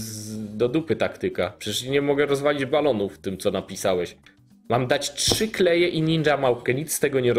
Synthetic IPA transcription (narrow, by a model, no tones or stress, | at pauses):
d̪ɔd̪upɘt̪akt̪ɘkapʂɛt͡ɕɛʂɲɲɛmɔɡɛɾɔzvalʲid͡ʑbalɔnuft̪ɘmt̪sɔnapʲisawɛɕ | mamd̪at͡ɕtʂɘklɛjɛʔiɲinʐamawpkɛɲit̪sst̪ɛɡɔɲɛɾ